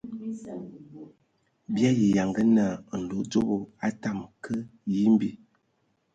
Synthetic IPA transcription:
bja˦ji˨ja˨ŋɡə˦na˨n̩˨do˨˦d͡zo˦bo˨a˦ta˦˨mkə˦ji˦m˦bi˦

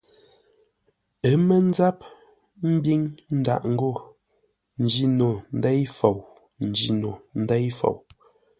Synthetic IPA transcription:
ɛ˨˦mɛ˦n̩˦za˦p̚ | m̩˦bi˦ŋn̩˦da̰˦ʔŋ̩˦ɡo˦˨ | n̩˨d͡ʒi˦no˨n̩˨˦dɛ˦jfo˨w | n̩˨d͡ʒi˨no˨n̩˦dɛ˦jfo̰˨w

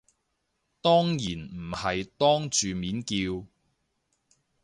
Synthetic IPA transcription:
t̪ɔː˥ŋjiː˨˩nm̩˨˩hɐ˨jt̪ɔː˥ŋt͡ʃyː˨miː˨˥nkiː˧w

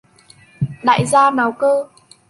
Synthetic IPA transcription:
ɗa̰ː˧˨jzaː˧naː˨˩wkəː˧

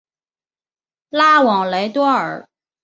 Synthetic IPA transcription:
la˥wɑ˨˩ŋla˧˥ɪt̪wɔ˥ə̰˞˨˩˦

